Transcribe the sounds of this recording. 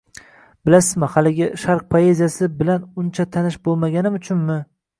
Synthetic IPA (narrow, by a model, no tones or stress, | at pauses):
bɪlasɪzmɪhalɪɡʲɪʃaɾq̚pʰoe̞zijasɪbɪlanʊnt͡ʃʰat̪ʰanɪʃbolˠmaɡʲanɪmʊt͡ʃʰʊnmɪ